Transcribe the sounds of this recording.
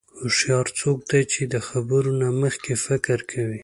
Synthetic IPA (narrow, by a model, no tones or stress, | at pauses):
ʊʃjɑɾt͡sok̚d̪ajt͡ʃed̪əxabəɾonaməxkefɪkɾkʰawi